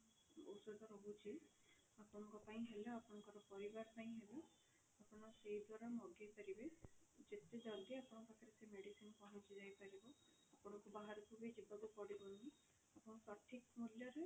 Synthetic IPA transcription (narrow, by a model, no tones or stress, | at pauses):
bo̰wsɔd̪ɔɾɔbut͡ʃʰi | apɔnɔŋkɔpaĩɦeleapɔnɔŋkɔɾɔpɔɾibaɾpaĩɦele | apɔnɔseɦid̪waɾamɔɡajpaɾibed͡ʒet̪ed̪ɔɾɡeapɔɽ̃ɔpakʰaɾesemeɽisinpɔɦɔ̃t͡ʃʰid͡ʒajpaɾibɔ | apɔnɔkubaɦaɾɔkʰubed͡ʒibaɡupɔɽibɔni | apɔnɔpɾɔʈʰik̚muljɔɾe